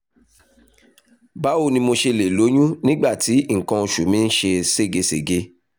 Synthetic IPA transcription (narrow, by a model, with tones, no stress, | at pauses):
ba˨˦o˧nĩ˧mo˧ʃe˧le˨lo˨˦j̃ũ˦nĩ˦ɡ͡ba˦˨ti˨˦ŋ̩˨kã˧o˧ʃu˨mĩ˨˦n̩˦ʃe˧se˦˨ɡe˧se˨ɡe˧